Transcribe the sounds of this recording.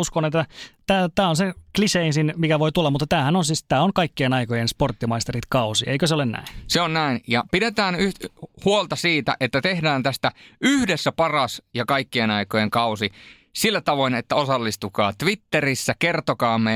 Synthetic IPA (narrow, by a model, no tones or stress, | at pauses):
uskonet̪ːæt̪æːt̪æːonsekliseinsinmikæʋoit̪ulːɑmut̪ːɑt̪æːhænonsiːst̪æːoŋkɑikːienɑikojensport̪ːimɑist̪erit̪kɑusḭeikøseolenæ̰inseonnæinjɑpidet̪æːnyht̪huolt̪ɑsiːt̪æ̰ʔet̪ːæt̪ehdæːnt̪æst̪æyhdesːæpɑrɑsjɑkɑikːienɑikojeŋkɑusi | silːæt̪ɑʋoinet̪ːæosɑlːist̪ukɑ̰ːt̪ʋit̪ːerisːækert̪okɑːmːe